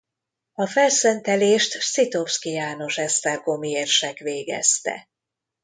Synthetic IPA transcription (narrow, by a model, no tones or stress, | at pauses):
ɒfɛlsɛnt̪ɛleːʃt̪sit̪o̞fskijaːno̞ʃɛst̪ɛrɡo̞mieːrʃɛkʋeːɡɛ̰st̪ɛ̰